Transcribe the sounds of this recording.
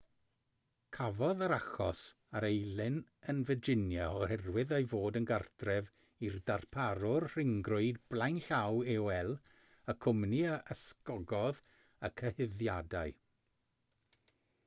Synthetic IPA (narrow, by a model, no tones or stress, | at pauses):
kʰavɔðaɾaχɔs | aɾejlɪnənvəd͡ʒɪnjaɔhɛrwɪðəjvoːdənɡardrɛv | irdarpʰaɾʊrr̥ɪŋɡrʊɨdblˠajnɬawɛwɛlˠ | əkʰʊmniəʔəskɔɡɔð | əkʰəhɪðjadaɨ